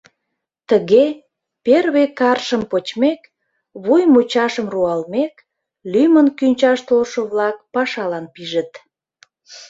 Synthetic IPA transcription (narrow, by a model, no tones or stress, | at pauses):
t̪əɣe | perβekɑrʃəmpot͡ɕmek | βujmut͡ɕɑʃəmruɑlmek | lymənkynʲt͡ɕɑʃt̪olʃəβlɑk̚pɑʃɑlɑnpiʒət̪